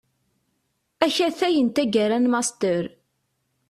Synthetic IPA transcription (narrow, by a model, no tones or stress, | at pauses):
æçæθæjənt̪æɡæɾænmɑst̪əɾ